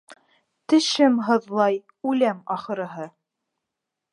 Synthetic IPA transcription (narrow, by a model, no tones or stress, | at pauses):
t̪ɘ̆ʃɘmɦɤ̆ðlˠɑj | ʉlæmɑχɤ̆ɾɤ̆ɦɤ